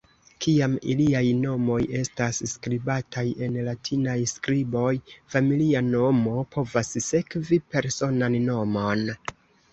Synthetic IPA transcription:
kʰiamiliajno̞mo̞je̞stasskɾibataje̞nlatʰinajskɾibo̞jfamiliano̞mo̞pʰo̞vasse̞kvipe̞ɾso̞nanːo̞mo̞n

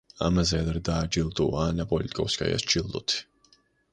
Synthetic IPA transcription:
a̰mazɛad̪ɾɛd̪aːd͡ʒilˠd̪uaːnapʼɔlit̪ʼikʼɔfskʼa̰ja̰st͡ʃʰilˠd̪ɔ̰t̪ʰi̥

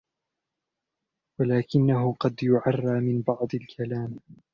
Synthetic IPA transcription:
walaːkɪnːaɦʊqɑd̪jʊʕɑrˤːɑːmɪnbɑʕd̪ˤɪlkʰalaːm

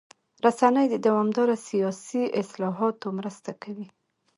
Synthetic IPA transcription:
ɾasanəjd̪əd̪awɑmd̪ɑɾasijɑsiɪslɑɦɑt̪omɾəst̪akawi

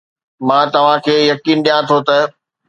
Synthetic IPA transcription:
mãːt̪ɐʋ̤ãkʰeːjɐkiːnɗijãt̪ʰot̪ɐ

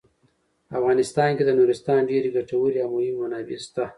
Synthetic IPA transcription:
afɣɑnɪst̪ɑnked̪ənuɾɪst̪ɑnɖeɾiɡaʈawəɾiawmʊhɪmːanɑbist̪a

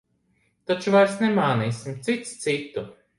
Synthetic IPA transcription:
t̪at͡ʃuvajɾsnemaːniːsimt̪sit̪st̪sit̪u

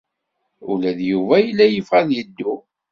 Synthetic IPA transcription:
ulæðjuvæjəlːæjəfʁæðjəd̪ːu

